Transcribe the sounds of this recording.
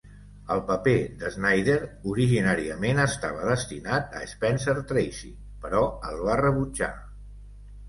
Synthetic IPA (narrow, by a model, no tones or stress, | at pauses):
əlˠpəped̪əznajðeɾuɾiʒinaɾiəmenəst̪aβ̞əðəst̪inat̪ə̰ːspɛnsəɾt̪ɾejsi | pəɾɔəlˠβarəβud͡ʒa̰